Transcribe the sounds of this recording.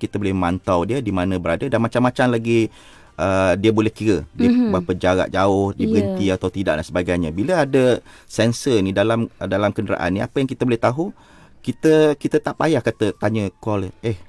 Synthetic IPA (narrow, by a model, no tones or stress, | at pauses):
kit̪əbolɛhmant̪awdiədimanə̃bəɾadədanmat͡ʃamːat͡ʃamlaɡi | ʔədiəbolɛhkiɾədiəbapəd͡ʒaɾa̰ʔd͡ʒaʊhdibəɡənt̪iat̪awt̪ida̰ʔdansəbaɡajɲəbiləadə | sɛnsənidalamdalamkəndəɾa̰ʔa̰nːia̰pəjaŋkit̪əbolɛht̪aɦu | kit̪əkit̪ət̪aʔpajahkat̪ət̪aɲəkɔlʔɛh